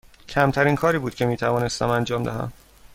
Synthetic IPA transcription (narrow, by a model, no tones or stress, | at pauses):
cʰæmt̪ʰæɾiːnkʰɒːɾiːbuːd̪̚cʰe̞miːt̪ʰævɒːne̞st̪æmænd͡ʒɒːmd̪æ̰ɦæ̰m